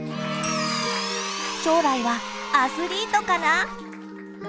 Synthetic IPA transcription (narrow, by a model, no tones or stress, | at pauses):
ɕo̞ːɾaiβaːsɨɾʲiːt̪o̞kana